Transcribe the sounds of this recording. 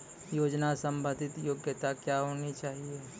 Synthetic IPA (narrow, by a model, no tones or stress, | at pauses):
joːd͡ʒnasə̃mbə̃d̪ʱɪt̪joːɡjət̪akjaɦoːnit͡ʃaːɦie